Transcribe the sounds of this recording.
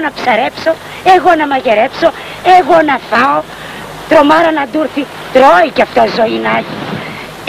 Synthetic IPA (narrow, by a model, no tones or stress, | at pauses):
nɐpsaɾepso | eɣonamaɣeɾepso | eɣonafao | t̪ɾomaɾanad̪uɾθi | t̪ɾoikʲaft̪ozoinaɣi